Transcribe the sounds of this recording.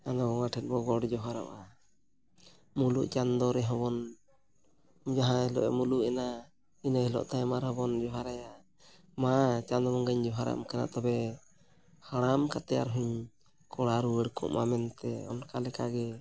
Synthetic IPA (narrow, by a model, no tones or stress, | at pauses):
anɔɔwaʈʰɛt̪̚bɔɡɔɽd͡ʒɔɦaɾa̰ʔa | mulṵʔt͡ʃand̪ɔɾɛɦɔbɔn | d͡ʒaɦãilɔ̰ʔɛ̰muluʔɛna | inahilɔ̰ʔt̪amaɾhɔbɔnd͡ʒɔɦaɾaja | mat͡ʃand̪ɔbɔnɡaɲd͡ʒɔɦaɾa̰mkana̰ʔt̪ɔbɛ | haɽ̃amkat̪ɛja̰ɾɦuɲ | kɔɽaɾuwɛɽkʰɔ̰ʔmamɛnt̪ɛ̰ɔ̰nkalɛkaɡɛ